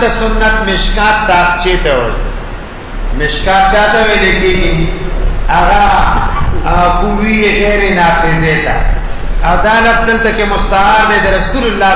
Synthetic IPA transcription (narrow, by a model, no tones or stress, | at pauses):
d̪əsʊnːɐt̪mɪʃkãːt̪ːaːxt͡ʃeːt̪ɐwɐɽi | mɪʃkãːt͡ʃaːt̪aweːleɡili | ɐɣa | kuwijeɣeːɾenaːfɪzeːt̪a̰ | awd̪aːlɐfsd̪əlt̪akemʊst̪ɐɦaːɾd̪ed̪ɐɾɐsuːlʊlːaː